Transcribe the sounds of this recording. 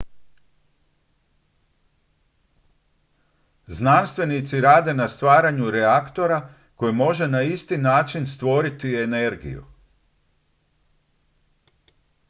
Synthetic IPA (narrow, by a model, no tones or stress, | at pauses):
znanst̪ʋe̞nit̪siɾaːd̪e̞nast̪ʋaːɾaɲuɾeakt̪o̞ɾa | ko̞jimo̞ʒe̞naist̪inaːt͡ʃinst̪ʋo̞ɾit̪ie̞ne̞ɾɡḭjṵ